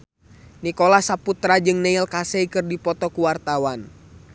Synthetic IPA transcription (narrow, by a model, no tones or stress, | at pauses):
nikɔlasaput̪ɾad͡ʒɨŋnɛilkasɛikɨrdipɔt̪ɔkuwart̪awan